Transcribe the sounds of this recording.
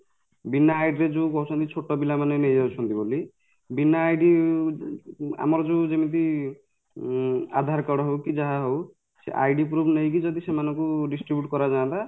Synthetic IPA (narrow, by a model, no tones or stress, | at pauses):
binaːjɖɾed͡ʒukɔɦut͡ʃʰɔnt̪it͡ʃʰoʈːɔbilamanenejd͡ʒawt͡ʃʰɔnt̪iboli | binaːjɖi | a̰mɔɾɔd͡ʒuwd͡ʒemit̪̬i | a̰d̪ʱaɾkɔɽɔɦewkid͡ʒaɦaɦow | sḛʔa̰jɖipɾubʰʱnejkid͡ʒɔd̪isemanɔŋkuɖisʈɾibjuʈkɔɾad͡ʒaːnt̪a